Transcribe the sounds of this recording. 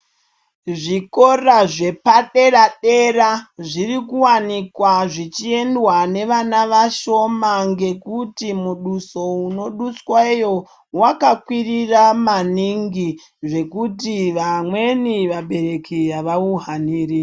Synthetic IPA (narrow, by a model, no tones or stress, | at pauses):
ʐiko̞raʐe̞paɗe̞raɗeɾaʐirikuwanikwaʐit͡ʃie̞ndwane̞ʋanaʋaʃo̞maŋɡe̞kutimuɗuso̞uno̞ɗuswaijo̞ | wakakwiriramaniŋɡi | ʐe̞kutiʋamwe̞niʋaɓe̞ɾe̞kijaʋauɦaniːɾi